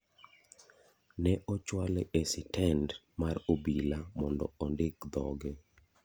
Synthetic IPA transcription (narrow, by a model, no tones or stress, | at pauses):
nɛʔɔt͡ʃwaleʔesɪtʰɛnd | marobilamɔndɔ̰ɔndɪkd̪ɔ̰ɡɛ